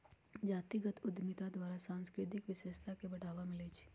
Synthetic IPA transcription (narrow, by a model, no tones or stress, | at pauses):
d͡ʒaːt̪iɡət̪ʊd̪mɪt̪ad̪waːɾasãːnskɾɪt̪ɪkʋɪʃeʃt̪ʰakebɐɽ̤aːʋamɪlet͡ʃʰi̥